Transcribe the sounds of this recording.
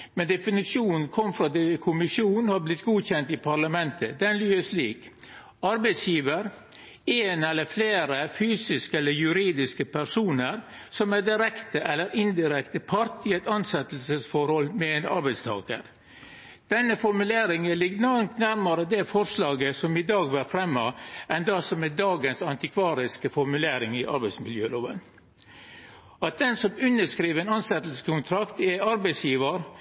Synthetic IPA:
mɛnd̪ɛfɪnɪʂjuːnn̩kʰɔmːfɾɑd̪ɛkʰʊmɪʂjuːnhɑɾblɪt̪ːɡuːçɛnt̪ɪpʰɑɾɭɑmɛnt̪əd̪ɛnlyːəʂliːk | ɑɾbɛɪsjiːʋəɾ | eːnɛlːəɾfleːɾəfyːsɪskəɛlːəɾjʉɾiːd̪ɪskəpʰæɾsuːnəɾ | sɔmæd̪ɪɾɛkt̪əʔɛlːəɾɪnd̪ɪɾɛkt̪əpʰɑɾt̪ɪːɛt̪ɑnsɛt̪əl̩səsfɔɾhɔlmɛɛnɑ̰ɾbɛɪt̪st̪ʰɑ̰ːkə̰ɾ | d̪̥ɛnːəfɔɾmʉleːɾɪŋəlɪɡnɑɾmt̪næɾmɑɾəd̪ɛfɔɾʂlɑːɡəsɔmɪd̪ɑːɡʋæɾfɾɛmːɑʔɛnd̪ɑsɔmɛd̪ɑːɡənsɑnt̪ɪkʰʋɑːɾɪskəfɔɾmʉleːɾɪŋɪʔɑ̰ɾbæɪsmɪljøːloːʋə̰n | ɑt̪̚d̪ɛnsɔmʉnːəʂkɾiːʋɛnɑnsɛt̪əlsə̥kʰʊnt̪ʰɾɑkt̪ɛɑɾbɛɪsjiːʋəɾ

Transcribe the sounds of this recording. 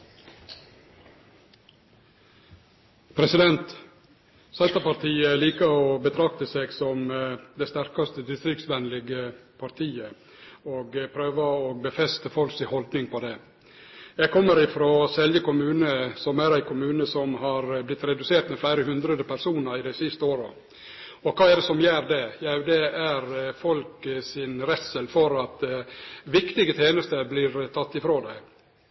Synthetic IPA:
pʰɾɛsɪd̪ɛnt̪ | sɛnt̪əpɑɾt̪ʰiːəliːkəɾoːbət̪ʰɾɑk̚t̪əseːɡsɔmd̪ɛst̪æɾkɑst̪əd̪ɪst̪ɾɪkt̪sʋɛnlɪɡəpʰɑɾt̪ʰiːə | oːɡpʰɾøːʋəoːbəfɛst̪əfɔlksihɔld̪nɪŋpʰoːd̪eː | jɛɡ̚kʰɔmːəɾɪfɾoːsɛljəkʊmʉːnəsɔmæɾæɪkʰʊmʉːnəsɔmhɑɾblɪt̪ːɾɛd̪ʉseːʈ̪mɛflæɪɾəhʉnd̪ɾəd̪əpʰæɾsuːnəɾɪd̪æɪsɪst̪əoːɾə | ɔkʰɑːɛɖɛsɔmjæːɾd̪ɛjæʉd̪ɛæɾfɔlksɪnɾɛt̪səlfɔɾɑt̪ | ʋɪkt̪ɪɡət̪ʰeːnəst̪əblɪɾt̪ʰɑt̪ːɪfɾoːd̪æɪ

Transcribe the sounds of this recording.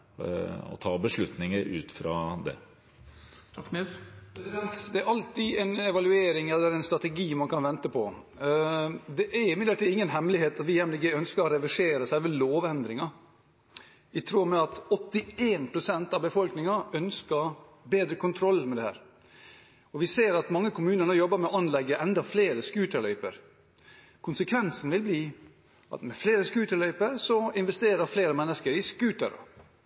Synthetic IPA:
ɔ̰t̪ʰɑːbəʂɭʉt̪nɪŋəɾʉ̰ːt̪fɾɑ̰d̪ɛ̰ | t̪ʰkːnespʰɾɛsɪd̪ɛnt̪d̪ɛæɾʔɑlt̪ɪɛnɛʋɑlʉeːɾɪŋɛlːəɾɛɪnst̪ɾɑt̪ɛɡiːmɑnkʰɑnʋɛnt̪əpʰɔ | d̪ɛʔæɾɪmɪəlt̪iɪŋːənɦɛmːlɪɦeːt̪ɑt̪ʋɪjɛmlɪɡəœnskəɾɔɾɛʋɪʂeːɾəsæɪʋɛloːʋɛnd̪ɾɪŋɑ | ɪt̪ʰɾuːmɛɑt̪ɔt̪ːɪeːnpʰɾʊsɛnt̪ɑʋbəfɔlknɪŋɑœnskəbeːd̪ɾəkʰʊnt̪ʰɾɔlːmɛd̪ɛhæ̰ːɾ | ɔʋɪseːɾɑt̪mɑŋːəkʰʊmʉːnəɳəjɔbːəɾmɛɔʔɑnlɛɡːəʔɛnd̪ɑfleːɾəskʉːt̪ʰəlœʏpə̰ɾ | kʰʊnsəkʰʋɛnsn̩ʋɪlbliː | ɑ̰t̪mɛfleːɾəskʉːt̪əlœʏpəɾsɔɪnʋɛst̪eːɾəɾfleːɾəmɛnːəskəɾɪskʉːt̪ə̰ɾɑ̰

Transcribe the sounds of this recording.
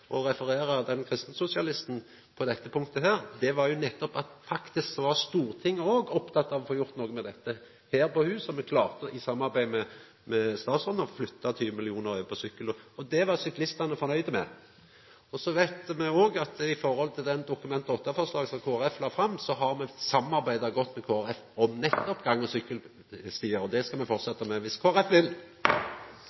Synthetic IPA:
ʔɔɾɛfəɾeːɾəd̪ɛnkʰɾɪst̪n̩sʊsɪɑlɪst̪n̩ | pʰɔd̪ɛt̪ːəpʰʊŋk̚t̪əɦæːɾd̪ɛʋɑɾjʊnɛt̪ːɔpɑt̪fɑkt̪ɪsksɔʋɑst̪uːʁt̪ʰɪŋːoːɡɔpt̪ʰɑt̪ːɑʋɔfoːjʊɾt̪noːɡəmɛd̪ɛt̪ːə | heːɾpɔhʉːsɔmɛkʰlɑːʁt̪əʔɪsɑmːɑɾbæɪmɛ | mɛst̪ɑːt̪sɔnəflʏt̪ːɑt̪ʰyːʋəmɪlɪuːnəɾœʋpʰɔsʏkːələɔd̪ɛʋɑʁsʏklɪst̪ɑnəfɔɾnœʏd̪əmɛ̰ | ɔsɔʋæɪt̪mɛoːɡɑt̪ɪfɔɾhɔlt̪ʰɪld̪ɛnd̪ʊkʉmɛnt̪ɔt̪ːəfɔʁslɑːɡsɔmkʰoːæɾɛflɑːfɾɑmːsɔɦɑɾmɛsɑmɑɾbæɪd̪ɑɡɔt̪ːmɛkʰoːæɾɛf | ɔmnɛt̪ːɔpɡɑŋːəsʏkːəl | st̪iːəɾɔd̪ɛskɑmɛfɔʁt̪sɛt̪ːɑmɛʋɪskʰoːæɾɛfʋɪl

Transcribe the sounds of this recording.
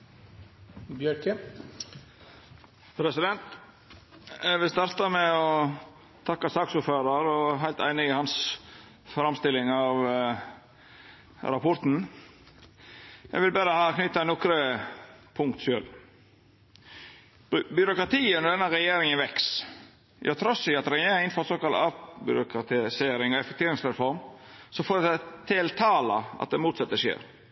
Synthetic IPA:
bjœɾkə | pʰɾɛsɪd̪ɛnt̪ | jæɡʋɪlst̪ɑɾt̪ɑmɛɔ | t̪ʰɑkːɑsɑːksuːɾføːɾɑɾɔɦæɪlt̪æ̰ɪnɪɪhɑns | fɾɑmst̪ɪlːɪŋɑʋ | ɾɑpʰɔɾt̪n̩ | jæ̰ɡʋɪlbæːɾəhɑːknʏt̪ːɑnɔkɾə | pʰʊŋkt̪ʃøːl | bʏɾʊkɾɑt̪ʰiːənɔd̪ɛnːəɾɛjeːɾɪŋənʋɛks | ʔɑ̰t̪ʰɾɔsɪɑt̪ɾɛjeːɪnfɔɾsoːkɑlt̪ɑːʋbʏ̰ɾʊkɾɑt̪ʰɪseːɾɪŋɔɛfɛkt̪ʰeːɾɪŋsɾɛfɔɾm | sɔfoːɾt̪ʰɪlt̪ʰɑːlɑʔɑ̰t̪̚d̪ɛmuːt̪sɑt̪ːəʃḛːɾ

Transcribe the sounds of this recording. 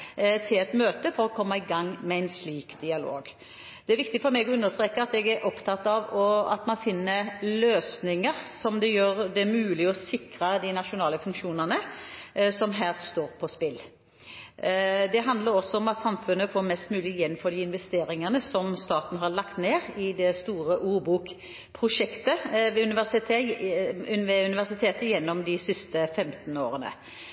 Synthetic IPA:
t̪ʰɪlɛt̪møːt̪əfɔɾɔkʰɔmːɑɪɡɑŋːmɛæɪnsliːkd̪ɪɑlo̰ːɡ | d̪̥ɛæɾʋɪkt̪ɪɡfɔɾmɛɡɔʉnːəʁst̪ɾeːkəɑt̪ɛɡæɾʔɔpt̪ʰɑt̪ːɑʋɔɑt̪mɑnfɪnːəløːsnɪŋəɾsɔmd̪ɛjøːɾd̪ɛæɾmʉːlɪɔsɪkɾəd̪ɪnɑʂʊnɑːləfʉŋkʃuːnəʁnə | sɔmɦæːst̪oːɾpʰɔspɪlː | d̪ɛɦɑnd̪ləɾɔsːɔɔmɑt̪sɑmfʉnːəfoːɾmɛst̪mʉːlɪjɛnːføːɾd̪ɪɪnʋɛst̪eːɾɪŋənəsɔmst̪ɑːt̪n̩ɦɑɭɑkt̪neːɾɪd̪ɛst̪uːɾəʔuːɾbuːk | pʰɾʊʂɛkt̪əʋɛʉnɪʋæsɪt̪ʰː | ʋɛʉnɪʋæʁsɪt̪ʰeːt̪əjɛnːɔmd̪ɪsɪst̪əfɛmt̪n̩o̰ːɾənə̰

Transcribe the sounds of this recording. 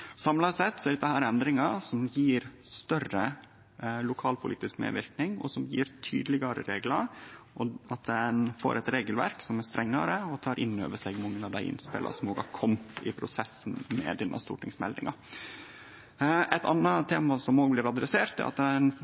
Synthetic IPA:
sɑmlɑsɛt̪ːsɔɛɖəd̪ɛhæːɾɛnd̪ɾɪŋɑsɔmjiːɾst̪œrə | lʊkʰɑːlpʰʊlḭːt̪ɪskmḛːʋɪɾknɪŋɔ̰sɔmjiːɾt̪ʰy̰ːd̪lɪɡɑɾə̰ɾeːɡlɑɾɔɑt̪̚d̪ɛnfo̰ːɾʔɛt̪ɾeːɡəlʋæ̰ɾksɔmæɾst̪ɾɛŋːɑ̰ɾəɔt̪ʰɑːɾʔɪnːø̰ːʋəʂɛɡmɑŋːənɑʋd̪æɪʔɪ̰nspɪ̰lʔɑ̰sɔmoːɡhɑ̰ɾkʰɔmt̪ʰɪpʰɾʊsɛsn̩mɛ̰d̪ɛnʔɑ̰st̪ṵːʈɪŋsmɛ̰ld̪ɪ̰ŋɑ | ʔɛt̪ʰɑ̰nːɑt̪ʰeːmɑsɔmoːɡblɪɾɑd̪ɾɛseːɾt̪d̪ɛ̰ɾɑ̰t̪d̪ɛn

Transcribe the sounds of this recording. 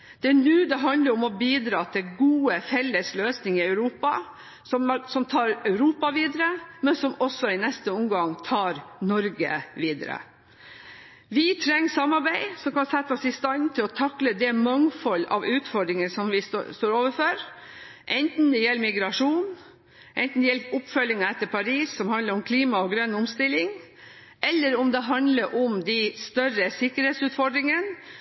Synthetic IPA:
d̪̥ɛnʉːd̪ɛɦɑnd̪ləɾɔmɔbiːd̪ɾɑːt̪ʰɪlɡuːəfɛlːəsløːsnɪŋəɪɑʉɾuːpɑ | sɔmsɔmt̪ʰɑːɾœʉɾuːpɑʋiːd̪əɾəmɛnsɔmɔsːɔɪnɛst̪əɔmɡɑŋt̪ʰɑːɾnɔɾɡə̰ʋiːd̪əɾə̰ | ʋɪt̪ʰɾɛŋːsɑmːɑɾbæɪsɔmkɑnsɛt̪ːɔsɪst̪ɑnt̪ʰɪlɔt̪ʰɑkləd̪ɛmɑŋfɔlːɑ̰ʋʉːt̪fɔɖɾɪŋənsɔmʋɪsst̪oːɾoːʋəfɔɾ | ʔɛnt̪n̩d̪ɛjɛlːmɪɡɾɑʂuːn | ʔɛnt̪n̩jɛlʊpːfœlɪŋɑɛt̪ːəɾpʰɑɾiːsːɔmhɑnd̪əɾɔmkʰliːmɑɔɡɾœnːʊmst̪ɪlːɪŋ | ʔɛlːəɾʊmd̪ɛɦɑnd̪ləɾʔɔmd̪æɪst̪œrəsɪkːəɾheːt̪sʉːt̪fɔɖɾɪŋən

